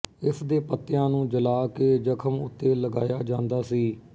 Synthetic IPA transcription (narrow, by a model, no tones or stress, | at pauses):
ɪsd̪eːpət̪ːɪjãːnũːd͡ʒəlaːkeːd͡ʒəkʰəmʊ̰t̪ːeːləɡa̰ːjaːd͡ʒãːnd̪aːsiː